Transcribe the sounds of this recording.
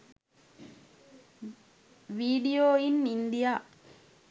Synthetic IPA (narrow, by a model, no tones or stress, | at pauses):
ʋiːɖijoːinind̪ija